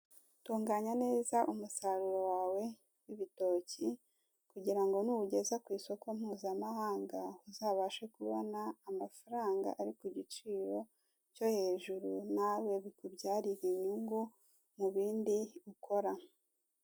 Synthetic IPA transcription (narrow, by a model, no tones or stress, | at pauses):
tuːŋɡaɲane̞ːzaʔumusaɾuɾo̞waːwe̞ | wiβito̞ːci | kuɟiɾaŋɡo̞nuuɟe̞zakwiːso̞ko̞m̥huːzamahaːŋɡauzaːβaʃekuβonaːmafaɾaːŋɡa̰ʔaɾikuɟit͡ʃiːɾo̞ | co̞he̞ːʒuɾunawe̞βikubɟaːɾiɾiɲuŋɡu | muβiːndiukʰo̞ɾa